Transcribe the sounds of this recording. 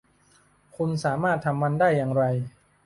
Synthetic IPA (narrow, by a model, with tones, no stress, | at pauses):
kʰu˧nsaː˩˦maː˥˩t̪ʰːa˧mːa˧ndaː˥˩jːaː˨˧ŋɾa˧j